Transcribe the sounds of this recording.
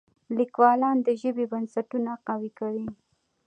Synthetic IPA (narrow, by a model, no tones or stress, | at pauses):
likwɑlɑnd̪əʒəbebansaʈunaqawikawi